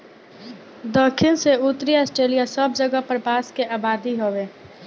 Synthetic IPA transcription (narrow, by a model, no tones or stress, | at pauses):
d̪əkʰɪnseʊt̪ɾiaːsʈɾeːlijasəbd͡ʒəɡəpəɾbaːskeʔaːbaːd̪iɦoːʋeː